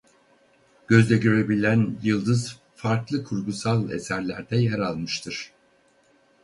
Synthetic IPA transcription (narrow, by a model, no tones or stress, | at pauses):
ɟ̥ø̞zlʲɛɟø̞ɾebilʲænjɯlˠd̪ɯz | faɾklˠɯkʰuɾɡusalˠḛsæɾlʲæɾd̪ɛjɛɾalˠmɯʃt̪ʰɯɾ̥